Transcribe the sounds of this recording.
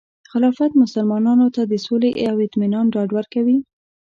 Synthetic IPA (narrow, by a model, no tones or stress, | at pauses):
xɪlɑfat̪mʊsalmɑnɑnot̪ad̪əsoleʔawɪt̪minɑnɖɑɖwaɾkawi